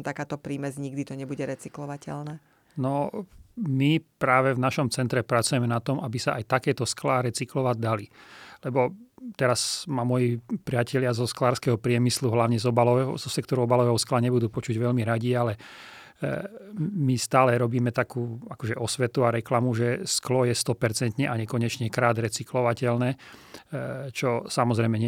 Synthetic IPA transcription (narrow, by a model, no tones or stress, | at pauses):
t̪akaːt̪ɔpɾiːmɛzɲiɡd̪it̪ɔɲɛbuɟɛɾɛt͡siklɔʋacɛ̰lnɛː | nɔ | mipɾaːʋɛvnaʃɔmt͡sɛnt̪ɾɛpɾat͡sujɛmɛnat̪ɔmabisaʔajt̪akɛːt̪ɔsklaɾɛt͡siklɔʋaɟ̚d̪alilɛbɔt̪ɛɾazmamɔjipɾɪacɛʎɪazɔsklaːɾskɛɦɔpɾɪɛmisluɦlaʊɲɛzɔbalɔʋɛɦɔzɔsɛkt̪ɔɾuɔbalɔʋɛːɦɔsklaɲɛbud̪uːpɔt͡ʃuɟʋɛlmiɾaɟialɛ | mist̪aːlɛɾɔbiːmɛt̪akuːakɔʒɛʔɔsʋɛt̪uaɾɛklamuʒɛsklɔjɛst̪ɔpɛɾt͡sɛnt̪ɲɛʔaɲɛkɔɲɛt͡ʃɲɛkɾaːd̪ɾɛt͡siklɔʋacɛlnɛː | t͡ʃɔsamɔzɾɛɪmɛɲɛ